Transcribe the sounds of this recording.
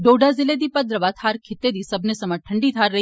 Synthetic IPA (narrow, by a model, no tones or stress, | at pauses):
ɖoːɖazɪled̪ipɐd̪ɾəʋaːt̪ʰhaːɾkʰɪt̪ːed̪isɐbnesɐmaʈʰɐɳɖit̪ʰaːɾːɐɦi